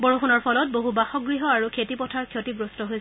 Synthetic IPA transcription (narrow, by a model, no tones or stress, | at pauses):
bɔɹoxunɔɹpʰɔlɔt̚boɦubaxɔɡɹiɦɔaɹukʰetipɔtʰaɹkʰjotibɹustɔɦojsɛ